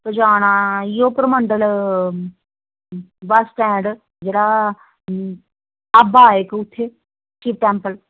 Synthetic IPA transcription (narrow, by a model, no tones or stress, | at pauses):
p̪əd͡ʒaːɽ̃aːijoːpəɾmə̃ɳɖəl | ʋasʈɛ̃ːɳɖ | d͡ʒeːɽa | ɐbaːekʊt̪ʰːe | t͡ʃiːp̚ʈɛːmpəl